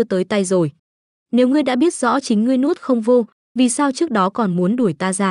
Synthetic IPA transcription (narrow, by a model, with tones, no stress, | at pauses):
ət̪əː˨˦jt̪a˧jzo˨˩j | ne˨˦wŋɨ˧əjɗa̰ː˧˥ɓi˦˥ət̚z̥ɔ̰˧˥t͡ɕï˨˦ŋ̟ŋɨ˧əjnu˦˥t̚xə˧wŋ͡mvo˧ | vi˨˩saː˧wt͡ɕɨ˦˥k̚ɗɔ˨˦kɔ˨˩nmu˨˦nɗu˧˩əjt̪aː˧zaː˧˩